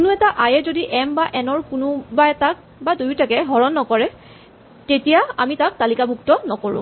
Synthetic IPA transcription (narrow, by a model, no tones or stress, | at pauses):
kunʊɛtaʔajɛzodiʔɛmbaʔɛnɔɹkʊnubaɛtak̚ | badujtakɛɦɔɹɔnːɔkɔɹɛ | tetijaamitak̚talikabʱuktɔnɔkoɹʊ̰̃